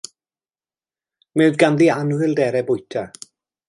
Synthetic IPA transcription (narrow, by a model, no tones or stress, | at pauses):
mɛwðɡanðianwɪlˠdɛɾɛbʊjtʰa